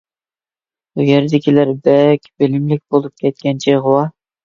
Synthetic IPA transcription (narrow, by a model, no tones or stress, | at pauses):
ujeɾd̪ɪkʲilæɾbɛkʲbɪlɪmlɪk̚ʲbolˠup̚kʲʰɛt̪̚kʲɛnt͡ʃʰiʁʊwɑ